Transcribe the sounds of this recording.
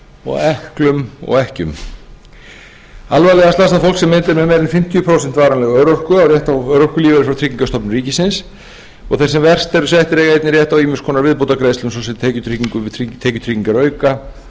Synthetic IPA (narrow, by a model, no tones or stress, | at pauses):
ɔ̰ɣɛhklʏmɔ̰ɣɛhcʏ̰m | alvajlɛɣast̪ast̪afowlksɛmːɛnt̪ɪɾmɛðmejɾɪnfɪm̥t̪ʰijpʰɾowsɛn̥t̪vaːɾanlɛɣœɥɾor̥kʏawrjɛht̪awœɥɾor̥kʏliːvɛɾɪfɾawt̪ʰɾiːciŋkast̪ɔpnʏɾiːcɪsɪns | ɔ̰ɣθɛsɛmvɛr̥st̪ɛɾʏsjɛjht̪ɪɾɛːɣeːjt̪nɪɾjɛht̪awiːmɪnskʰɔːnaɾvɪðpowt̪akɾeːðslʏms̬ɔsɛt̪t̪ʰeːcʏt̪ʰɾiciŋkʏit̪ʰeːjcʏt̪ʰɾiːciŋkaɾœːɥka